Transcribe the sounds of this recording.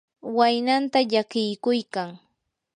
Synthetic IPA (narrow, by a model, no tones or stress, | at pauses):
wajnant̪aʎakɪjkʊjkaŋ